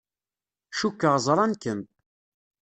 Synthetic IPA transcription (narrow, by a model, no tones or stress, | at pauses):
ʃukːəʁzˤɾˤɑnkən